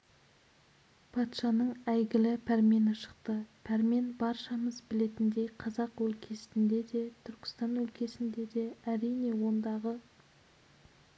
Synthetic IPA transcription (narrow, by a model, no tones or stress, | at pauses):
pʰɑt̪ʃɑnəɴæjɡʲɪlɪpʰæɾme̞nɪʃə̥qt̪əpʰæɾme̞nbɑɾʃɑməzbɪle̞t̪ɪnd̪e̞jqʰɑzɑqwɵlkʲʰe̞sɪnd̪e̞d̪e̞t̪ʰʏɾkʲɪ̥st̪ɑnwɵlkʲʰe̞sɪnd̪e̞d̪e̞æɾijne̞wo̞nd̪ɑʁə